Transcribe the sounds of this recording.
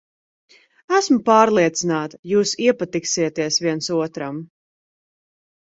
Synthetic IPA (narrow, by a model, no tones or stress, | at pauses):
æsmupaːɾlˠiɛt̪sinaːt̪ḁjuːsiɛpat̪iksiɛt̪iɛsviɛnsuɔt̪ɾam